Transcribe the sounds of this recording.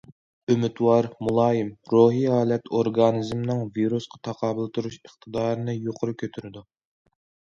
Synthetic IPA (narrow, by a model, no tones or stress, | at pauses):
ømɪt̪wɑɾmulˠɑːjimɾoɦiɦɑːlˠɛt̪ʰoɾɡɑnizmnɨŋviɾusqʰɑ̥t̪ʰɑqʰɑːbɨlˠt̪ʰuɾuʃəχt̪ʰɨd̪ɑːɾɨnɨjoqʰʊɾukʲʰøt̪ʰyɾɪd̪u